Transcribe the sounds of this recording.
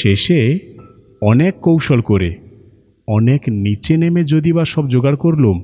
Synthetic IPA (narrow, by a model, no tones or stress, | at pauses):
ʃeʃe | ɔnekːowʃolkoɾḛ | ɔneknit͡ɕenemed͡ʑod̪ibaʃɔbd͡ʑoɡaɽkoɾlum